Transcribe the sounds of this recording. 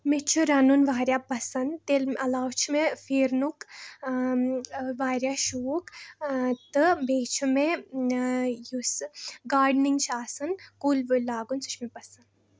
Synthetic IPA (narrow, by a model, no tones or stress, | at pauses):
met͡ʃʰuɾɐnunʋaːɾjaːpɐsɐnd̪t̪elmɐlaːwt͡ʃʰimefeːɾnuk | ʋaːɾjaːʃuːk | t̪ɨbeːt͡ʃʰume | jusɨɡaːɾɖniŋɡt͡ʃʰaːsɐnkuːlʋɨlaːɡunsu̥t͡ʃʰmepɐsɐnd̪